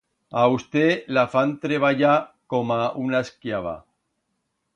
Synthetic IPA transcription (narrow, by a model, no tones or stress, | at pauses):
aust̪elafant̪ɾeβaʝakomaunaskjaβ̞a̰